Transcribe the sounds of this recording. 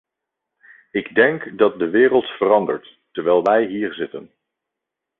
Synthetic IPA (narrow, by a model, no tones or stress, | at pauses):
ɪɡdɛŋkdɑt̚dəʋɪːɾəlˠtfərɑndəɹtːəɹʋɛːlˠʋɛjɦiːɹzɪtən